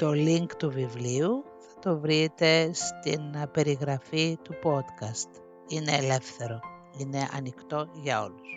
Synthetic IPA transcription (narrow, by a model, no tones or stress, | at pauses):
t̪o̞liŋkt̪uvivliu | θɐt̪o̞vɾit̪e̞st̪inpe̞ɾiɣɾɐfit̪upo̞t̪kɐst̪ | ine̞ːle̞fθe̞ɾo̞ | ine̞ʔɐ̰nikt̪o̞ʝɐo̞̰lus